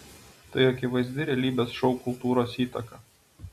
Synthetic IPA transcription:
t̪ɐɪɐkʲɪʋɐɪzʲd̪ʲɪɾʲɛlʲiːbʲeːsʃɔʊkʊlˠt̪uːɾoːsiːt̪ɐkɐ

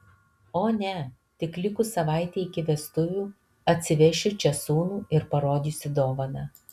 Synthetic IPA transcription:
oːnʲɛ | t̪ʲɪklʲɪkʊsɐʋɑˑɪt̪ʲeːɪkʲɪʋʲɛst̪ʊʋʲuː | ɐt̪ʲsʲɪʋʲɛʃʲʊt͡ʃʲɛsuːnuːɪɾpɐɾoːd̪ʲiːsʲɪd̪oːʋɐnɐ

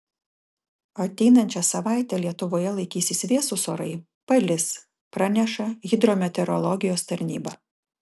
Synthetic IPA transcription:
ɐɐt̪ʲɛɪnɐnʲt͡ʃʲɛsɐʋɑˑɪt̪ʲɛlʲiɛt̪ʊʋoːjɛlˠɐɪkʲiːsʲɪsʋʲiɛsusoːɾɐɪ | pɐlʲɪs | pɾɑnʲɛʃɐɣʲɪd̪ɾoːmʲɛt̪ʲɛɾɔlˠɔɡʲɪjoːst̪ɐɾʲnʲiːbɐ

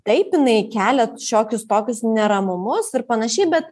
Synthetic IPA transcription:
t̪ɐɪpɪnɐɪkʲæːlʲɛʃʲoːkʲʊst̪oːkʲʊsnʲɛɾɐmʊmʊsɪrpɐnɐʃʲɛɪbʲɛt̪

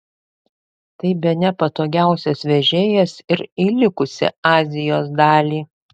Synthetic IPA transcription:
t̪ɐɪbʲɛnʲɛpɐt̪oːɡʲæˑʊsʲɛsʋʲɛʒʲeːjɛsɪɾiːlʲɪkʊsʲɪ̰ɑːzʲɪjoːs̬d̪ɑːlʲiː

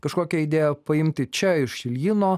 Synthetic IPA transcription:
kɐʃkoːkʲɛid̪ʲeːjɛpɐɪmʲt̪ʲɪt͡ʃʲɛɪʃʃʲɪlʲjɪnoː

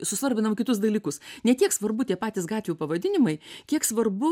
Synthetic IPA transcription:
sʊsʋɐɾʲbʲɪnɐmkʲɪt̪ʊsd̪ɐlʲiːkʊsnʲɛt̪ʲiɛksʋɐɾbʊt̪ʲiɛpɑːt̪ʲɪsɡɑːtʲʋʲjuːpɐʋɐd̪ʲɪnʲɪmɐɪkʲiɛksʋɐrbʊ

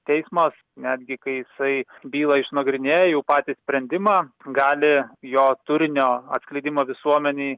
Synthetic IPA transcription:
t̪ʲɛɪsmɐs | nʲæːd̪ʲɡʲɪkɐɪjɪsɐɪbʲiːlˠɐɪʃnoɔɡɾʲɪnʲeːjɛjɛʊpɑːt̪ʲiːsʲpʲɾʲɛnʲd̪ʲɪmɑːɡɑːlʲɪjoːt̪ʊɾʲɪnʲoːɐ̰t̪sklʲɐɪd̪ʲɪmoːʋʲɪsuɔmʲɛnʲɛː

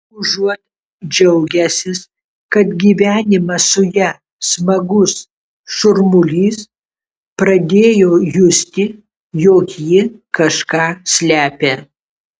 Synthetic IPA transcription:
ʊʒuɔt̪ | d͡ʒʲɛʊɡʲɛsʲɪs | kɐt̪ɡʲiːʋʲæːnʲɪmɐsʊjɛ | smɐɡʊs | ʃʊɾmʊlʲiːs | pɾɐd̪ʲeːjoːjʊsʲt̪ʲɪ | joːkjɪkɐʃkɑːsʲlʲæːpʲe

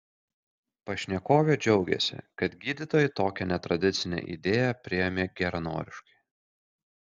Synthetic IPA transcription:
pɐʃʲnʲɛkoːʋʲeːd͡ʒʲɛʊɡʲɛ̰sʲɪ̰kɐt̪ɡʲiːd̪ʲɪt̪oːjɪt̪oːkʲɛnʲɛt̪ɾɐd̪ʲɪt̪sʲɪnʲɛ̰ʔḭd̪ʲeːjɛpʲɾʲɪjɛmʲeːɡʲɛɾɐno̰ːɾʲɪʃkɐɪ

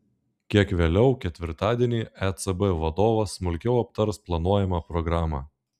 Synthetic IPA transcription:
kʲiɛkʋʲeːlʲɛʊkʲɛt̪ʲʋʲɪɾt̪ɑːd̪ʲiɛnʲiːɛt̪sɛbɛʋɐd̪oːʋɐsːmʊlʲkʲɛʊɐp̚t̪ɐɾsplˠɐnuɔjɛmɑːpɾɔɡɾɑːmɑː

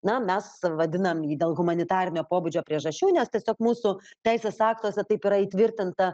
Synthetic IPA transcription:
nɐmʲɛsʋɐd̪ʲɪnɐmiːd̪ʲeːlˠɣʊmɐnʲɪt̪ɑːɾʲɪnʲoːpoːbud͡ʒʲoːpʲɾʲiɛʒɐʃʲt͡ʃʲuːnʲɛst̪ʲiɛsʲoːkmuːsʊt̪ʲæɪsʲeːsɑːkt̪oːsʲɛt̪ɐɪpiɾɐiːt̪ʲʋʲɪɾʲt̪ʲɪnt̪ɐ

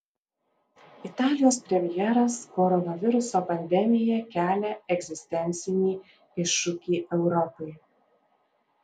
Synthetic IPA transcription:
ɪt̪ɑːlʲɪjoːspʲɾʲɛmʲɪjɛɾɐskɔɾɔnɐʋʲɪɾʊsoːpɐnʲd̪ʲɛmʲɪjɛkʲæːlʲɛɛɡʲzʲɪsʲt̪ʲɛnʲt̪sʲɪnʲiː | ɪʃːʊkʲiːʔɛʊɾɔpɔɪ

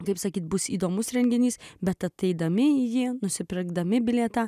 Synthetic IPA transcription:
kɐɪpsɐkʲiːt̪̚bʊsiːd̪oːmʊsɾʲɛŋʲɡʲɪnʲiːsbʲɛt̪ɐt̪ɐɪd̪ɐmʲɪjɪnʊsʲɪpʲɪɡd̪ɐmʲɪbʲɪlʲeːt̪ɑ

